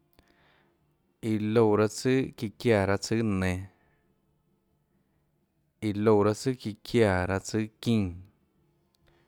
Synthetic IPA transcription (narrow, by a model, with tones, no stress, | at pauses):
i˨lo˧˨ɾa˧t͡sɨ˦ki˧kja˧˨ɾa˧t͡sɨ˦nẽ˧ | i˨lo˧˨ɾa˧t͡sɨ˦ki˧kʰja˧˨ɾa˧t͡sɨ˦kĩ˦˧˦